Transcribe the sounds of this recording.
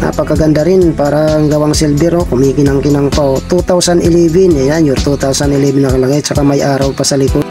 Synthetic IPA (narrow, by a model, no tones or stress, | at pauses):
a̰pɐɡkːɐɡɐnd̪aɾɪnpaːɾɐŋɡɐwaŋsɛlbɛɾokʊmiːkɪnɐŋkɪnɐŋp̪at̪ut̪awsanɪlɛːbɪnɛjanjʊɾt̪ut̪awsanɪlɛbɪnɐkɐlɐɡat͡ʃɐkamajʔaːɾawpɐsɐlɪkʊd̪̚